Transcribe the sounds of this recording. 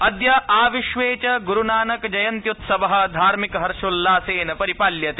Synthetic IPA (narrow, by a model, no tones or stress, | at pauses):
ɐd̪jɐʔaːʋiʃʋeːt͡ʃɐɡuɾunaːnɐkd͡ʒɐjɐnt̪jut̪sɐbɐɦɐ̆d̪ʱaːɾmikɐɦɐɾʃulːaːseːnɐpɐɾipaːljɐt̪e